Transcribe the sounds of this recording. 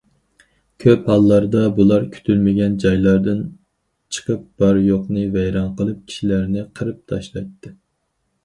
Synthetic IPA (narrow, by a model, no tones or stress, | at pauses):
kʲʰøphɑlˠːɑɾd̪ɑbulˠɑɾkʲʰy̥t̪ʰylmɪɡʲɛnd͡ʒɑjlˠɑɾd̪ɨn | t͡ʃʰə̥qəp̚b̥ɑɾjoqnɨvɛjɾɑnqəlˠɨp̚kʲʰi̥ʃilæɾnɪqʰəɾɨp̚t̪ʰɑʃlˠɑjt̪ːɨ